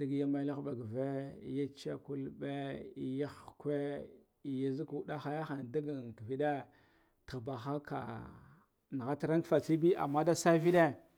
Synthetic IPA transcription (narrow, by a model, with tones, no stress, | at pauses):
da˦ɡja˦ma˦la˦xba˨ɡve˦ja˦t͡ʃa˦ku˦lbe˦i˦ja˦xkʷe˦ | i˨ja˦zi˦ku˨˦da˦xa˦ja˦xa˨n˨da˦ɡa˨kvi˦de˦ | tə˨ɣba˨xa˦ka̰˨ | na˨ɣa˦ta˦ɾa˦ŋkfa˨t͡si˦bi˦a̰˨mːa˦da˦sa˦vi˦de˦